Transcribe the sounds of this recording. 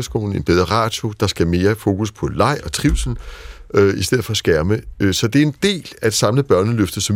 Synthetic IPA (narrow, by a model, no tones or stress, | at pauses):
ɐsɡ̥o̝̰ːln̩e̝nb̥eð̞ˠɐʁɑ̰̈ːd̥od̥ɑ̈sɡ̥æme̝ːɐfo̝ːkʰuspʰɒ̽lɑ̈ɪ̰ɒ̽t͡sʰʁiʊ̰sn̩øisd̥eð̰̩ˠfɒ̽æsɡ̥æɐməøsɒ̽d̥e̝æɐe̝nd̥e̝̰ːlæd̥sɑ̈mləb̥ɶɐnəløfd̥ɐsɒ̽m